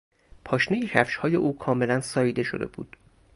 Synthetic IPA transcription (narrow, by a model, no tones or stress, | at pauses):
pʰɒːʃnejihʰæfʃhɒːjeʔuːkʰɒːme̞lænsɒːiːd̪e̞ʃo̰d̪e̞̰bṵːd̪̥